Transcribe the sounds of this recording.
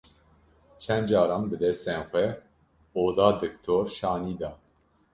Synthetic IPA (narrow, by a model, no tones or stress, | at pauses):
t͡ʃʰɛnd̪d͡ʒɑːɾɑmbɨd̪ɛst̪eːnxʷɛ | oːd̪ɑːd̪ɨkt̪ʰoːɾʃɑːniːd̪ɑː